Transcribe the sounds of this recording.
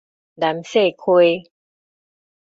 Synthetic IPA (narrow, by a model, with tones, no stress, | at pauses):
da˨˦mse˥˨kʰu˧j